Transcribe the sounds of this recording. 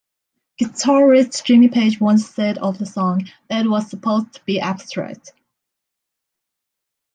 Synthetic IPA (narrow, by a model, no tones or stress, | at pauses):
ɡ̥ɨtʰɑɹɪssdɹĩmɪ̃ŋpʰeɪd͡ʒwʌ̃nsɛɾəvðəsɔ̃ŋðət̚wʌz̥səpʰoʊztʰə̥b̥iʔæb̥stɹ̥æ̰k̚t